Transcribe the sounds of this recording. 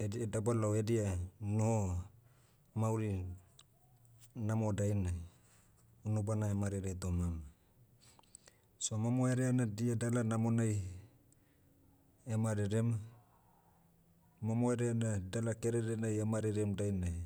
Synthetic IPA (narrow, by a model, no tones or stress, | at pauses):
edidabalawedianoho | mawɾi | namodajna | unubanaemaɾeɾetomam | somamoeɾeanadiadalanamonaj | emaɾeɾema | mamoeɾeanadalakeɾeɾenajemaɾeɾemdajna